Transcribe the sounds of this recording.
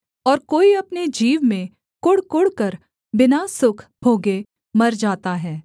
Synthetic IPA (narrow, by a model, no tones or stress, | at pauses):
ɔːɾkoːiɐpned͡ʒiːʋmẽ | kʊɽkʊɽkəɾ | bɪnasʊkʰbʱoːɡe | mɐɾd͡ʒaːt̪aɦɛː